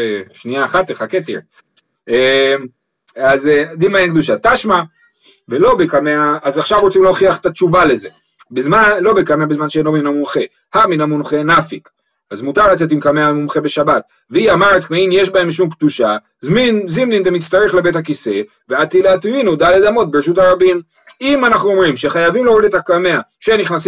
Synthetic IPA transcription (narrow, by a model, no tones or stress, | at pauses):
eʃniaːχat̪eχaket̪ḭʁ | e | azd̪imaenkd̪uʃat̪aʃma | velo̞bekameaːzaχʃavʁot͡simlooχiaχe̥t̪at͡ʃuvale̞ze̞ | bezmalo̞bekameabezmanʃeenlominomunχe̞ | haminamunχe̞nafik | azmutaʁlat͡se̞t̬imkameamumχebe̞ʃabat̪̚ | veiamaʁet̪kmeimjeʃbae̞mʃ̬umkd̪uʃa | zminzimnint̪amit͡st̪aʁeχle̞bethakise̞ | veat̪ileat̪vinud̪aled̪amo̞t̪̚beʁeʃ̬ut̪haʁabim | imanaχnuo̞mʁimʃeχajavimleoʁid̪et̪akameaʃeniχnasi